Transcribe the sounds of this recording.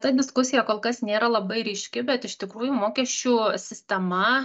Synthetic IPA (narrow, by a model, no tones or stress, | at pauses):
t̪ɐd̪ʲɪskʊsʲɪjɛkoːlˠkɐsnʲeːɾɐlˠɐbɐɪɾʲɪʃʲkʲɪbʲɛt̪ɪʃt̪ʲɪkɾuːjumoːkʲɛʃʲt͡ʃʲuːsʲɪsʲt̪ʲɛmɐ